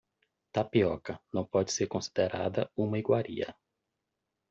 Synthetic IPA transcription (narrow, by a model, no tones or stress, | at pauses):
t̪apiɔkɐnɐ̃w̃pɔd͡ʒɪseɾkõsi̥d̪eɾa̰d̪ɐũmɐiɡwaɾiɐ̰